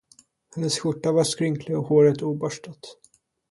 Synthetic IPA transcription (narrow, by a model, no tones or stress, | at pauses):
hɛnːəsɧʊʈːavaskɾʏŋkʰlɪɔhoːɾət̪uːbœʂʈat̪